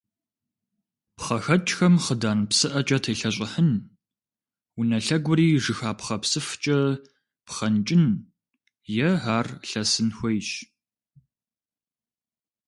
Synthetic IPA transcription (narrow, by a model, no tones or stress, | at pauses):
pχɐxɐt͡ʃʼxɐmχədaːnpsɨʔɐt͡ʃʼɐtʰeːɬɐɕ̬ʼɪħən | unɐɬɐɡʷʊɾiːʐɨxaːpχɐpsɨft͡ʃʼɐ | pχɐnt͡ʃʼɪn | jɛɦaːrɬɐsɨnxʷɔjɕ